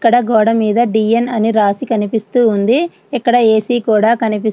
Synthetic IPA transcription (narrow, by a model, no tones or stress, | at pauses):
kːɐɽɐɡɔːɽɐmiːd̪ɐɖiːjenɐniɾaːsikɐnipist̪uːnd̪i | ɛkːɐɽɐe̞ːsiːkuːɽaːkɐnipi